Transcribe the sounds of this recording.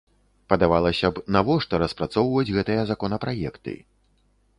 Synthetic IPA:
pɐd̪avalˠɐsʲɐbnavɔʂt̪ɔɾɐspɾat̪sɔwvɐjud͡zʲɣɛt̪ɨjɐzakɔnɐpɾajɛkt̪ɨ̰

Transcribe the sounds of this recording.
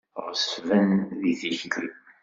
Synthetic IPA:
ʁəsvænðiθiçlɾəm

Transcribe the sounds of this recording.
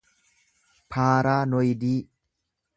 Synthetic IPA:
pʰaːɾaːnɔjd̪iː

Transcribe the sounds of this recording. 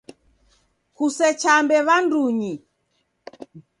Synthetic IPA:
kusɛt͡ʃambɛβanduɲi

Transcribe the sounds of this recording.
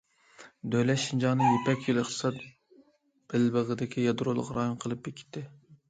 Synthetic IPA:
d̪ølɛʃind͡ʒɑːnɨjepɛkʲʰjylˠəχt̪ʰɨ̥sɑt̪̚ | b̥ɪlbəʁəd̪ɪkʲʰijɑd̪ɾolˠʊ̰ʁɾɑjonqʰəlˠɨp̚jekʲʰi̥t̪ʰːɪ

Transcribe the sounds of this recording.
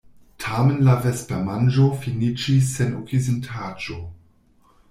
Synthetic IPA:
tʰamenlavespeʁmand͡ʒofinit͡ʃis̬ːenokʰizintʰaːd͡ʒo

